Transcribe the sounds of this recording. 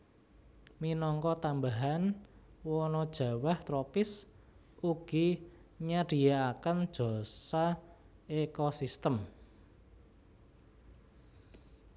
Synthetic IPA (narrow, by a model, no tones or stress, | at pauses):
minɔŋkɔt̪ambaɦanwɔnɔd̥ʒ̥ä̤waht̪ɾɔpɪs | uɡ̥iɲaɖ̥i̤jaakənd̥ʒ̥ɔ̤sa | ekosist̪əm